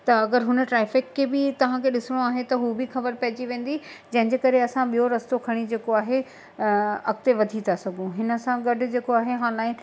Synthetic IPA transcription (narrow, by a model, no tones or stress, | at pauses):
t̪ɐɐɡəɾɦʊnə̆ʈɾaːfɪkːebɪt̪ɐʋ̤ãkʰeɗɪsɪɽ̃oaːɦet̪ɐɦubʱɪxɐbəɾpɐɦɪd͡ʑiʋẽːn̆d̪id͡ʑɐ̃ɦɪ̃ɲd͡ʑeːkɐɾeɐsãɓijoɾɐst̪okʰɐɽ̃id͡ʑeːkoaːɦe | ɐk̚t̪eʋɐd̪ʱit̪ʰasɐɡʱũɦɪnə̆sãɡɐɖʱʊ̆d͡ʑeːkoaːɦeɦaːlaːɪ̃